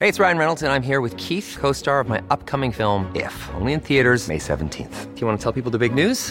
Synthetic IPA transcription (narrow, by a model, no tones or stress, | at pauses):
heɪɨtsɹaɪɨ̃nɹɛnl̩ˠtɨ̃nãɪ̃mɦiɹwɨð̥kʰiθkʰoʊstɑɹʌvmaɪʔʌp̚kʰʌmɪ̃ŋfɪlˠmɪ̰fõ̰ʊ̃nliɨ̃nθiɨɾə˞z̥mḛɪsɛ̰ṽn̩tʰḭ̃nθfjɨwɑ̃nətʰɛlˠpipl̩ˠðəbɪɡ̚nʉz̥